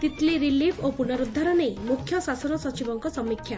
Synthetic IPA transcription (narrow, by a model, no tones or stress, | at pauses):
t̪it̪leɾilipʰopunɔɾud̪ʱːaɾɔnejmukʰjɔsasɔnɔsɔt͡ʃibɔŋkɔsɔmikʰja